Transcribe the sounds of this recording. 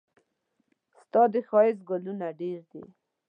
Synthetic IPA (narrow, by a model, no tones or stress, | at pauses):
st̪ɑd̪əxɑɪzɡʊlunaɖeɾd̪ḭ